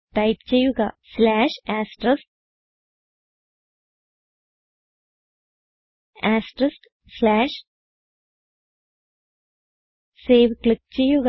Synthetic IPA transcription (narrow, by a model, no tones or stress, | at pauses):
ʈɐjp̚t͡ʃejuɡa̰ːslaːʂaːsʈɾɐsʈ̚ | aːsʈɾɐsʈ | slaːʂ | seːʋklik̚t͡ɕejuɡ